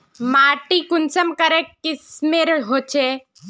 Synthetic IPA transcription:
maːʈikʊnsəmkɐɾekɪsmeɾɦoːt͡ʃʰe

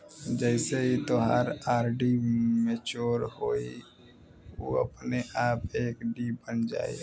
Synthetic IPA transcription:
d͡ʒɛɪseɦit̪oɦaːɾaːɾɖimeːt͡ʃoːɾhoːḭ | o̰ə̰pneʔaːpeːkɖibənd͡ʒa̰ːḭ

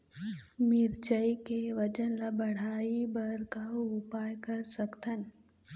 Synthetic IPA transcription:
mɪɾt͡ʃəjkeʋəd͡ʒənlabəɽ̤aːibɐɾkaʊpaːjkəɾsəkt̪ən

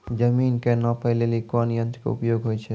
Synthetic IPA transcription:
d͡ʒəminkenɔpəɪlelikanjə̃nt̪ɾkḛṵpjoːɡɦojt͡ʃʰɛ

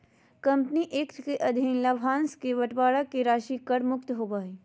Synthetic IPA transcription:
kɐ̃mpniʔeːkt̪ʰkeʔɐd̪ʱinlabʱãːnskeʋɐʈbaːɽakeɾaːʃikəɽmʊkt̪ɦoːbaːiː

